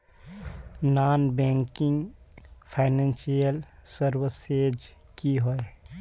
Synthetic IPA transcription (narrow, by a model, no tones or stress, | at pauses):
naːnbɛ̃ːŋkɪ̃ŋɡpʰaɪnɛ̃nsijəlsəɾwəseːd͡ʒ | kiɦoe